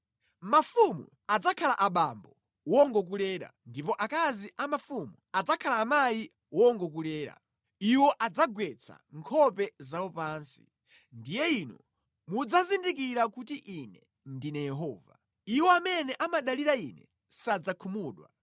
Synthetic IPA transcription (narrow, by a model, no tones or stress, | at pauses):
mafumṵ | ad͡zakʰala̰ʔaɓambɔ | wɔŋɡɔk̬ulɛːɾa̰ndipɔʔakaziʔamafumuad͡zakʰalaːmaji | wɔŋɡɔk̬ulɛːɾa̰ | iwɔʔad͡zaɡwɛt͡sʰa̰ŋkʰɔpɛzawɔpaːnsi̥̰ | ndijɛinɔ̰ | mud͡zazindikiɾakutiʔinɛ | ndinɛjɛɦɔːva̰ | iwɔamɛnɛʔamaɗaliɾainɛ̰ | sad͡zakʰumuːɗwa̰